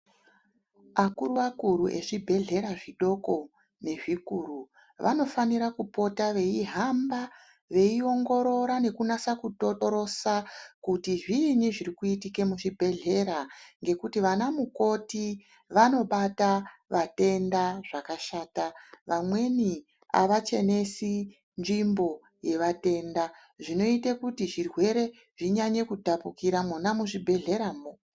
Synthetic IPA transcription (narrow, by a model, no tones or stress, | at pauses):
akuruʋakuɾuʔe̞̰ʐibʱe̞ɮe̞ɾaʐiɗo̞ko̞ | ne̞ʐikuɾu | ʋʔa̰no̞faniɾakupo̞taʋe̞iɦamba | ʋe̞io̞ŋɡo̞ɾo̞ɾane̞kunasakutooɾo̞sakutiʐiːniʐirikuitike̞muʐibʱe̞ɮe̞ɾaŋɡe̞kutiʋanamuko̞ti | ʋano̞ɓataʋate̞ndaʐakaʃaːtaʋamwe̞ni | a̰ʋat͡ʃe̞ne̞si | nd͡ʒimbo̞ | je̞ʋate̞nda | ʐino̞itekutiʐirwe̞ɾe̞ | ʐiɲaɲe̞kudapukiɾamwunamuʐibʱe̞ɮe̞ɾaːmo